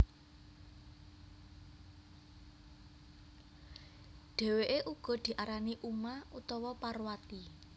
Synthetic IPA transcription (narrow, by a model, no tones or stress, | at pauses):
ɖ̪̥e̤weʔeʔuɡ̥ɔ̤d̪̥i̤ʔaɾaniʔumaut̪ɔwɔparwat̪i